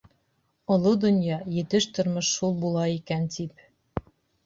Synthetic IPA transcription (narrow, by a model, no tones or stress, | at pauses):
ŏlˠod̪ŏnjɑjɘ̆t̪ɘʃt̪ŏɾmɤʃːulˠbulˠɑikænt̪ip